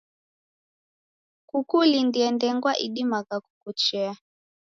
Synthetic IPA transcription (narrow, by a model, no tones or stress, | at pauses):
kukulindiɛndɛŋɡwaʔiɗimakaku̥kut͡ʃɛa